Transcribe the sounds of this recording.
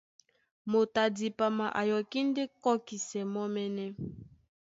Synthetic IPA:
mo˨ta˨di˨pa˨ma˨ʔa˨jɔ˨ki˦n˦de˦kɔ˦ki˨sɛ˨mɔ˦mɛ˦nɛ˦

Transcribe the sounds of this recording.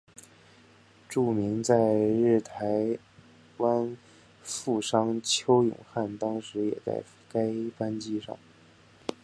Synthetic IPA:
ʈ͡ʂu˥˩mi˧˥ŋt͡sa˥˧ɪɻ̩˥˩t̪ʰa˧˥ɪ | wa˥n | fu˥˩ʂɑ˥ŋt͡ɕʰjo˥ʊjʊ̰˨˩ŋxa˥˩nt̪ɑ˥ŋʂɻ̩˧˥jɛ̰˨˩t͡sa̰˥˩ɪ | ka˥ɪpa˥nt͡ɕi˥˧ʂɑ̰˥˩ŋ

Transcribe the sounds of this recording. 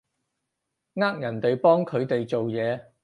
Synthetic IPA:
ŋaː˥k̚jɐ˨˩nt̪e˨jpɔː˥ŋkʰɵ˨˧ɥt̪e˨jt͡so˨wjɛː˨˧

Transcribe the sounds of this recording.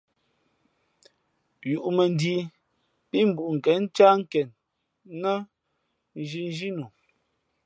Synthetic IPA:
ju˨ʔmə˨n˨˦di˨˦ | pi˦m̩˨bu˨ʔŋ̩˨kɛ˨˦n̩˦t͡ʃa˦ŋ̩˦kɛ˨n | nə˦ | n˨d͡ʒi˨n˦d͡ʒi˦nu˨

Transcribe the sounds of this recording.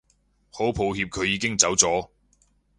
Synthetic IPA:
ho˨˥wpʰo˨˧wɦiː˧p̚kʰɵ˨˧ɥjiː˨˧kɪ˥ŋt͡sɐ˨˥wt͡sɔː˨˥

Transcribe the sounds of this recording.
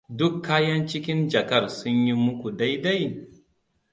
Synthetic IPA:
dʊ˦kʰːaː˦jɐ˦nt͡ʃɪ˦kʲɪ˦nd͡ʒɐ˨kɐ˦˨rsʊ˦ɲji˦mʊ˦kʷu˨da˦jda˦j

